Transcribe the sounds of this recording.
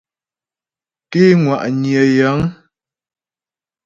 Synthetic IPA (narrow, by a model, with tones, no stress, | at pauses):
ke˦ŋwa˨ʔɲjə˨ja˨˦ŋ